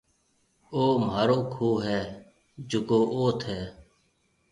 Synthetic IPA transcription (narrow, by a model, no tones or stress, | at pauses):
oːmaːɾoːkʰoːɦɛː | d͡ʒʊkoːʔoːt̪ʰɛː